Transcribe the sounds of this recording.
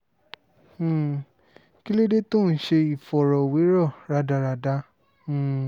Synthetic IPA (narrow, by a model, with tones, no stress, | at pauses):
ki˦le˦de˦to˦˨n̩˦ʃe˧i˨fɔ˨ɾɔ˨we˨˦ɾɔ˦˨ɾa˧da˧ɾa˧dã˧˦˨